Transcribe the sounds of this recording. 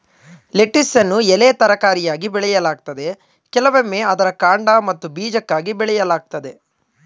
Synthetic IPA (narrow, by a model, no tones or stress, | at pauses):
leʈːisːɐnːuɛleːt̪ɐɾɐkaːɾijaːɡibɛɭɛjɐlaːɡ̚t̪ɐd̪e̞ | kɛlɐʋemːeːɐd̪ɐɾɐkaːɳɖaːmɐt̪ːubiːd͡ʒɐkːaːɡibɛɭɛjɐlaːɡ̚t̪ɐd̪e̞